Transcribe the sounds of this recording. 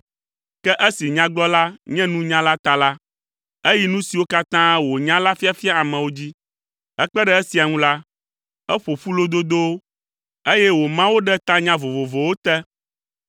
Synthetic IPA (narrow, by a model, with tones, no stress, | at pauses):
kɛ˦ʔɛ˦si˨ɲã˦ɡ͡blɔ˦la˦ɲɛ̃˦nũ˦ɲã˦la˦t̪a˦la˦ | e˦ji˦nũ˦si˨wo˦ka˦t̪ã˦wo˨ɲã˦la˦fi˦a˨fi˦a˦a˨mɛ̃˨wo˦d͡ʑi˦ | ɛ˦k͡pɛ˦ɖɛ˨ɛ˦si˨a˨ŋũ˦la˦ | ɛ˦ɸo˨ɸu˦lo˦d̪o˦d̪o˦ | e˦jɛ˦wo˨mã˦wo˦ɖɛ˦t̪ã˦ɲã˦vo˨vo˨vo˨wo˦t̪ɛ˦